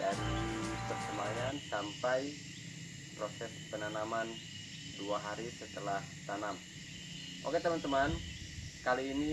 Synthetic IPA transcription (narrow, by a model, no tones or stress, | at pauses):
daɾipərsəmajansampaj | prosɛspənanaman | duaɦaɾisət̪əlaht̪anam | ʔo̰ket̪əmant̪əmankaliːni